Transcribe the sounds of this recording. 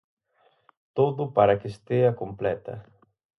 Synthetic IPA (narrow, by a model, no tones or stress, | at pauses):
t̪oðʊpaɾɐkest̪eɐkomplɛt̪ɐ̰